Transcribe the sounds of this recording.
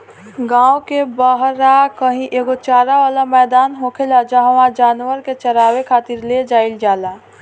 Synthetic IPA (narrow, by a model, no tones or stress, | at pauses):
ɡãːwkebaɦɾakəɦĩʔeːɡot͡ʃaːɾaʋaːlamɛːd̪aːnɦoːkʰelad͡ʒaːɦʋãd͡ʒaːnwəɾket͡ʃɐɾaːwekʰaːt̪ɪɾled͡ʒaːɪld͡ʒaːlaː